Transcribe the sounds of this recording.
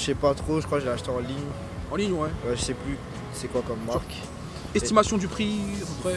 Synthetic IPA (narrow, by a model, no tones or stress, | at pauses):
sɛpat̪χoʒəkwaʒeleaʃt̪eɑ̃liɲ | ɑ̃liɲwɛbaʒəsɛply | sɛkwakɔmːaʁk | ɛst̪imasjɔ̃d̪ypχiɛ